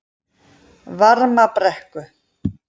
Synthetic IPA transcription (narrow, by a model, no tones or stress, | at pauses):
vaɾmapɾɛhkʏ